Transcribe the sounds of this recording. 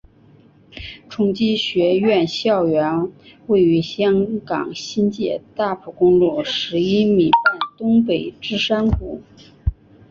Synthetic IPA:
ʈ͡ʂʰʊ˧˥ŋt͡ɕi˥ɕɥɛ˧˥ɥɛ˥˧nɕjɑ˥˩ʊɥɛ˧˥nwe˥˩ɪy˧˥ɕjɑ˥ŋkɑ̰˨˩ŋɕi˥nt͡ɕjɛ˥˧t̪a˥˩pʰu˨˩kʊ˥ŋlu˥˩ʂɻ̩˧˥i˥mi˨˩pa˥˩ɪt̪ʊ˥ŋpe˨˩ɪʈ͡ʂɻ̩˥ʂa˥nku˨˩˦

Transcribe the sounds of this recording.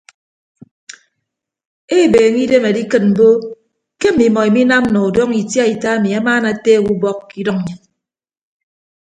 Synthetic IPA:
e˦˨beː˨ŋi˦de˦me˨di˦kɨ˨t̚m̩˨bo˦ | ke˦m̩˨mi˨mɔ˨e˨mi˦na˦m̩˦nɔ˨u˨dɔ˦ŋi˨tja˦i˨ta˦a˦mi˨a˦maː˦na˨teː˦˨wu˦bɔ˦kːi˦dɔ˦ŋ̚˨ɲɨ˨ŋ

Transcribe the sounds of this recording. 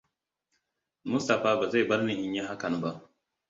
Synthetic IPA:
mʊ˦sta˨ɸaː˦ba˨za˦˨bɐ˦ɾnɪ˨ʔɪ˨ɲja˦ɦa˦kɐ˨n˨ba˦ʔ

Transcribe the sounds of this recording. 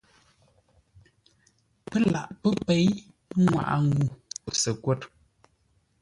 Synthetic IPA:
pə˦la˨ʔpə˦pe˨˦j | ŋwa̰˨ʔa̰˨ŋɡu˨o˨sə˨kwo˦˨t̚

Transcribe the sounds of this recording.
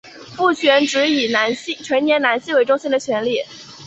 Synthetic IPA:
fu˥˩t͡ɕʰɥɛ˧˥nʈ͡ʂɻ̩˧˥i˨˩na˧˥nɕi˥t͡ɕʰɥɛ˧˥njɛ˧˥nna˧˥nɕi˥we˧˥ɪʈ͡ʂʊ˥ŋɕi˥nd̪ə˨˩t͡ɕʰɥɛ˧˥nli˥˩

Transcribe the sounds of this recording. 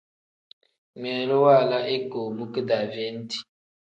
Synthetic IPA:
mɛ˨lo˦wa˦˨la˦ʔe˦ko˨bu˦kə˦da˨ve˦n˦ti̥˨

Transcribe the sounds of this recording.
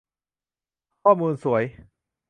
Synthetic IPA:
kʰɔː˥˩muː˧nsu˩˦ɐəj

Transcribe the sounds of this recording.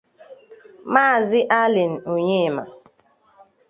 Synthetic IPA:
maː˦˨zɪ˦ʔa˦lɪ˨n̩˨o˨ɲe˦˨ma̰˨

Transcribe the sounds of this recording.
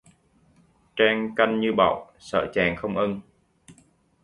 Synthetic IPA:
t͡ɕaː˧ŋka˧jŋ̟ɲɨ˧ɓa̰˧˩˨w | sə̰ː˧˩t͡ɕaː˨˩ŋxə˧wŋ͡mʔə˧n

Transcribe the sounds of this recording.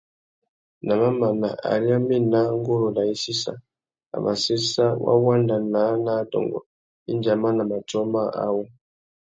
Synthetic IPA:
na˨ma˦ma˨na̰˨ʔa̰˨ɾi˦a˦mi˦na˦ŋ˦ɡo˦ɾo˨la˨i˦si˦sa̰˨ | a̰˨ma˨se˦sa˦wʔa̰˦wa˦nda˨na˨˦na˨˦dɔ̰˨ŋɡɔ̰˨ | i˦nd͡ʒa˨ma˦na˨ma˨tɔ˦ma˦˨ʔa̰˦wo˦

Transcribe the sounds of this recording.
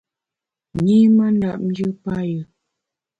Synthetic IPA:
ɲi˦mə˦n˦da˨p̚n˦d͡ʒɨ˦pa˦jə˨

